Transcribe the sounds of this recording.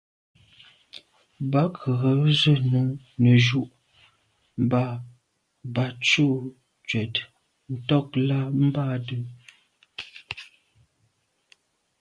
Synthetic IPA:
ba˨˦kʰə˨ɣə˨˦zə˦nu˨˦ | nə˨ʒu˦˨ʔ | m̩˨ba˦˨ | ba˨t͡ʃu˦ʔ | t͡ʃɥɛ˨t | n̩˨tɔ˦k̚la˦m̩˦ba˦˨də˦

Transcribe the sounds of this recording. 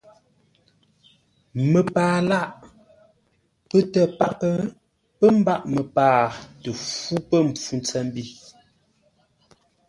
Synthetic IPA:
mə˨paː˨la˦˨ʔ | pə˦tə˨pa˦pə˦ | pə˦m̩˦ba˦˨ʔmə˨paː˨tə˨fu˦pə˦m̩˨p͡fu˨nt͡sɛ˦˨m˦bi˦˨

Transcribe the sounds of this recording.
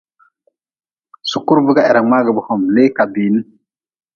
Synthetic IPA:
su˨ku˦ɾbu˦ɡa˦ɛ˨ɾa˨ma˦ɡə˨bu˨hɔ˨mle˦ka˨biː˨ni˦

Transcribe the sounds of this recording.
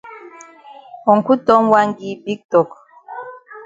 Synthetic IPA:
ɔ˨ŋ̩˨ku˦tɔ˦mwa˦ŋ˦ɡi˨bi˦k̚tɔ˨k

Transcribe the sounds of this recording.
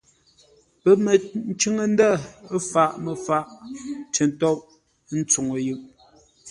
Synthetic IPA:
pə˨mə˨n̩˦t͡ʃʉ˦ŋə˨n̩˦da˦˨˦fa˦˨ʔmə˨fa˦˨ʔtə˨n˨tɔ˦ʔ | n̩˦t͡so˨ŋo˨jʉ˦˨ʔ

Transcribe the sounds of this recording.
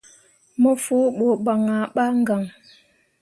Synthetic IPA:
mə˦fu˦ɓo˨ba˨ŋa˨ɓa˦ŋ̩˦ɡa˨ŋ

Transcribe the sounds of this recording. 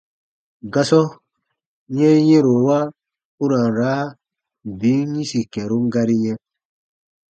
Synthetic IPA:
ɡa˦sɔ˦ | ɲɛ̃˦jɛ̃˦ɾo˨wa˦ | u˦ɾa˨n˨ɾaː˨˦˨ | bi˨˦ɲĩ˦si˨kɛ˨ɾu˦mɡa˦ɾi˦ɲɛ̃˦

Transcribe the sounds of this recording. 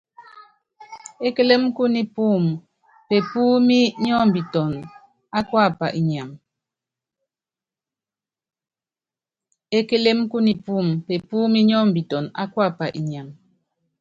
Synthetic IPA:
e˦ke˦le˦m˦ku˦ni˨pu˦˨m | pe˨pu˦mi˦ɲɔ˦m̩˨bi˨tɔ˨n | a˦kwa˦˨pa˨ʔi˨ɲ˨a˨m | e˦ke˦le˦mku˦ni˨pu˦˨mpe˨pu˦mi˦ɲɔ˦m̩˨bi˨tɔ˨na̰˦kwa˦˨pa˨ʔi˨ɲa˨m

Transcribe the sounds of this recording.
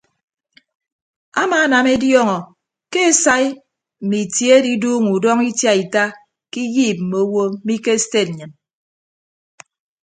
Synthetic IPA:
a̰˦maː˨˦na˨me˦djɔ˦ŋɔ˨ | ke˦e˨sa˦i˦ | m̩˨mi˨tje˨˦e˦di˦duː˦ŋu˨dɔ˦ŋi˦tja˦i˨ta˦ | ki˦jiː˦˨p̚m̩˨mo˨˦wo˦mi˦ke˦ste˦t̩̚˨ɲɨ˨n

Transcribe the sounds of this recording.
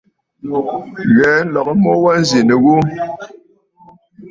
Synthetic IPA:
ɣɛː˨˦n̩˦lɔ˨k̚ə˦mɔ˦wa˦n̩˦zi˨ne˨ɣu˦

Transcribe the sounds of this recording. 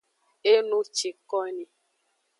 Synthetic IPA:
e˦nũ˦t͡ʃi˨kɔ˦ni˨

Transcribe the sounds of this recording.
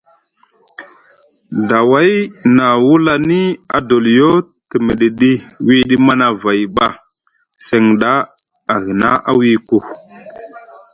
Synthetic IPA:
da˨wa˦jna˨wu˦la˦ni˦a˨do˨ljo˦ | ti˨mi˨ɗi˨ɗi˦wi˦ɗi˦ma˦na˨va˨jɓa˨ | se˨ŋɗa˦ | a˨ɣi˨na˦ʔa˦wi˦ku˦˨

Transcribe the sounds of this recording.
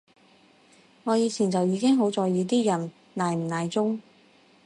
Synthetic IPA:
ŋɔː˨˧jiː˨˧t͡sʰiː˨˩nt͡sɐ˨wjiː˨˧kɪ˥ŋɦo˨˥wt͡sɔː˨jjiː˨˧t̪iː˥jɐ˨˩n | naː˨˩jm̩˨˩naː˨˩jt͡sʊ˥ŋ

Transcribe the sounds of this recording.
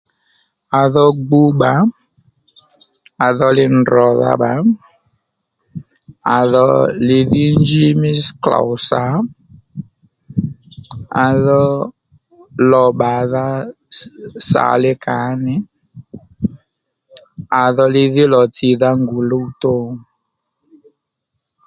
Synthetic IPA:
a˨ðɔ˦ɡ͡bu˦ɓa˨˦ | a˨ðɔ˦lɪ˦n̩˨dɾɔ˨ða̰˦ɓa˨˦ | a˨ðɔ˦lɪ˧ði˦n˦d͡ʒi˦mɪ˦skla̰˨ʊ˨sa˨˦ | a˨ðɔ˦ | lɔ˧ɓa˨ða˦ | sa̰˨lɪ˦ka˨˦nɪ˨˦ | a˨ðɔ˧lɪ˧ðɪ˦lɔ˨ti˨ða˦ŋɡu˨lo˦u˨to˦˨

